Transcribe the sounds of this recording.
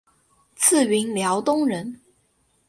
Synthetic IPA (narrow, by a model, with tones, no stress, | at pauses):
t͡s̩ʰ˥˩ɥi˧˥nljɑ˧˥ʊt̪ʊ˥ŋɻə˧˥n